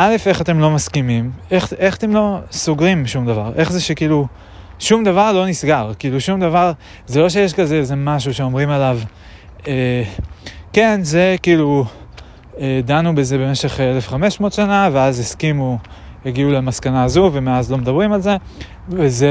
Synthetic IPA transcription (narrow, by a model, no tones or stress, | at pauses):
ʔale̞fe̞χat̪e̞mlo̞maskimimeχʔeχat̪emlo̞soɡʁimʃumd̪avaʁʔe̞χzeʃekiːlu | ʃumd̪avaʁlo̞nisɡaʁkiːluʃumd̪avaʁ | zelo̞ʃejeʃkazeeze̞maʃ̬uʃe̞o̞mʁimalav | e | ke̞nze̞kiːlu | ed̪anube̞ze̞be̞me̞ʃe̞χele̞fχame̞ʃmo̞ːt̪ʃanaveazeskimujaɡiulemaskanaːzuve̞meazlo̞med̪abʁimalze̞ | veze